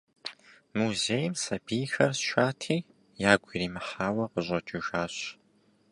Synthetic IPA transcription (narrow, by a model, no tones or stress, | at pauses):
muzejɪmsɐbiːxɐrsʃaːtʰiː | jaːɡʷiriːmɨħaːwɐqəʑʷʼɐt͡ʃʼɪʒaːɕ